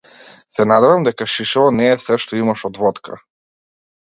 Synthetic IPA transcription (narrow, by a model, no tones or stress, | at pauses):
sɛnad̪ɛvamd̪ɛkaʃiʃɛvɔnɛːsɛʃt̪ɔimaʃɔd̪vɔt̪kʰa̰